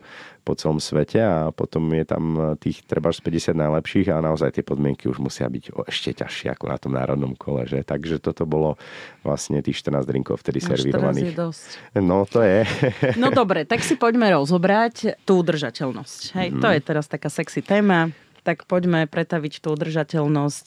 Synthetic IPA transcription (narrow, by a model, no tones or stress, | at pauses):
pɔt͡sɛlɔmsʋɛcʰɛapɔt̪ɔmjɛt̪a̰mt̪iːxt̪ɾɛbauʃspɛɟɛsɪad̪najlɛpʃiːɣaɛnaɔzajt̪ɪɛpɔd̪mɪɛŋkiuʒmusɪa̰biɟɛʃcɛca̰ʃɪɛ̰a̰kɔna̰t̪ɔmna̰ːɾɔd̪nɔmkʰɔlɛ̰ʒɛt̪aɡʒɛt̪ɔt̪ɔbɔlɔʋla̰sɲɛt̪iːxʃt̪ər̩naːzɾḭŋkɔ̰ʊft̪ɛd̪isɛ̰ɾʋiɾɔʋa̰niːxd̪ɔscnɔt̪ɔjɛnɔd̪ɔbɾɛt̪aksipɔɟmɛɾɔzɔbɾact̪uːud̪r̩ʒacɛlnɔscɦɛj̪ɔjɛt̪ɛɾast̪akaːsɛksit̪ɛːma | t̪akpɔɟmɛpɾɛt̪aʋict̪uːud̪r̩ʒacɛlnɔsc